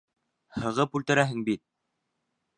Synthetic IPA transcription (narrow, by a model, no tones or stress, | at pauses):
hɤ̆ʁɤpult̪ɘ̆ɾæɦɘŋbit̪̚